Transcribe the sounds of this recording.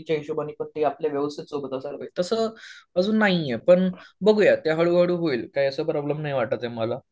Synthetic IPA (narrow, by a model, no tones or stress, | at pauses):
t͡ɕaiɕubənipət̪ːiapljaʋjəʋəst̪it̪sobt̪asaɾʋəit̪əsəːəd͡zuːnːaɦijepəɳbəɡʱujat̪jaɦəɭuːɦəɽuːɦoiːlkaiəsəːpɾɔbləmnaɦiʋaʈ̪̚at̪eməla